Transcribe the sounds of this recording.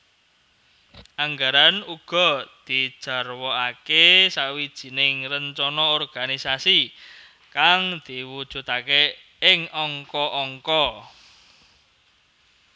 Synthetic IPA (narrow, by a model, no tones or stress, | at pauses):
ʔaŋɡaɾanuɡ̥ɔ̤d̪̥i̤d̥ʒ̥a̤rwɔakesawid̥ʒ̥i̤nɪŋrəɲt͡ʃɔnɔɔrɡ̥anisasi | kaŋd̪̥iwud̥ʒ̥ṳt̪ake | ɪŋɔŋkɔʔɔŋkɔ